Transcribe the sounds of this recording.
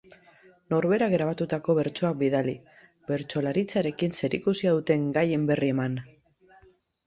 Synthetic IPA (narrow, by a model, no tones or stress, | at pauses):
no̞ɾβe̞ɾaɣɾaβ̞at̪ut̪ako̞βe̞ɾt͡ʃo̞ak̚biðali | be̞ɾt͡so̞laɾit͡saɾe̞kinse̞ɾikusiaðut̪e̞ŋɡaje̞mbe̞rie̞man